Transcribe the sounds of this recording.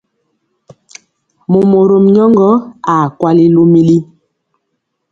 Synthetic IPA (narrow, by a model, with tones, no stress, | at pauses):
mo˨mo˨ɾo˨mɲɔ˦ŋɡɔ˦a˨kwa˦li˦lo˦mi˦li˦